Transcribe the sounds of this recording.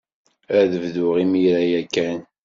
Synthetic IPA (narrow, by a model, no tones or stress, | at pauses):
æðəvðʊʁimiɾæjækːæn